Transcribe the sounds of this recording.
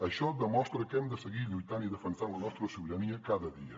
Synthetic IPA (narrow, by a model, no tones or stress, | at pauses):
əʃɔd̪əmɔst̪ɾəkɛmd̪əsəɣiʎujt̪aniðəfənsanlənɔst̪ɾəsuβiɾəniəkaðəðiə